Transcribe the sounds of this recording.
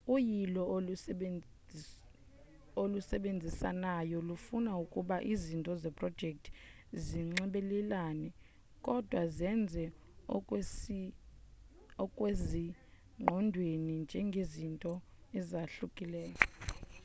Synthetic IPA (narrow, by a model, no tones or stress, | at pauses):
ujilɔ | olusɛɓend͡zʱisa̰najɔlufunaukʼuɓaʔizintʼɔzɛpʼrɔd̥d͡ʒʱɛk̚tʰ | ziŋ͡ǁɛɓɛlɛlanɛ | kʼɔd̥ʱwazɛnd͡zʱɛ | ɔkʼwezi | ŋ͡ǃʱɔndʱwenind͡ʒʱɛŋɡʱezintʼɔ | ɛzaɬukʼilɛːka